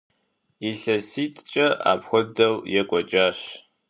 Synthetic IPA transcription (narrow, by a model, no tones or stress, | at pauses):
iɬɐsiːtʼt͡ʃʼɐa̰ːpxʷɔdɐwjɛkʷʼɔt͡ʃʼaːɕ